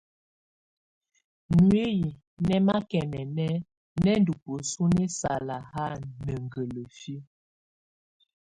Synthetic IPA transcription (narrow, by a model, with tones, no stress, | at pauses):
nwe˦ji˨ | nɛ˦ma˦kɛ˨nɛ˨nɛ˦ | nɛ˦ndu˨pə˨su˦ne˦sa˨la˨ha˦˨nə˨ŋ˨ɡə˨lə˨fi˦